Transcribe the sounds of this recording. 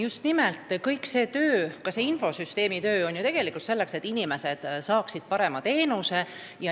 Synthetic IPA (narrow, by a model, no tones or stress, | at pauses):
just̪nimelt̪ːˑkɤjkse̞ːt̪øːkɑse̞info̞syst̪e̞ːmit̪øːo̞nʲjut̪e̞ɡ̥e̞likult̪se̞lːe̞kse̞t̪ːinime̞se̞d̪̥sɑːksid̪̥̚pɑɾe̞mɑt̪e̞ːnuse̞ | jɑ